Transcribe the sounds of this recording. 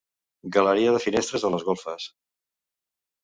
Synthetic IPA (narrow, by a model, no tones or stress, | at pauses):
ɡələɾiəðəfinest̪ɾəzələzɣolˠfəs